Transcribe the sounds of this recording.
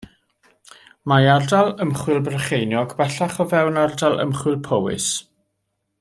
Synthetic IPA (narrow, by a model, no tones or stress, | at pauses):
majardalˠəmχwɪlˠbrəχejnjɔɡbɛɬaχɔvɛwnardalˠə̰mχwɪlˠpʰowɪ̰s